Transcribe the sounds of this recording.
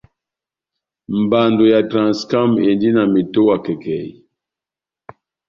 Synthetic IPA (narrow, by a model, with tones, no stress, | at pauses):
m˨ba˨ndo˨ja˨tɾa˨nska˦me˨ndi˦na˨mi˨to˦wa˨kɛ˨kɛ̰˨